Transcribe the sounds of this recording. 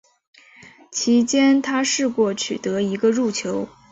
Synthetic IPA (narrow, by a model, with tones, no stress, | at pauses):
t͡ɕʰi˧˥t͡ɕjɛ˥nt̪ʰa˥ʂɻ̩˥˧kwɔ˥˩t͡ɕʰy̰˨˩t̪ɤ˧˥i˧˥ɡə˧ɻu˥˩t͡ɕʰjo˧˥ʊ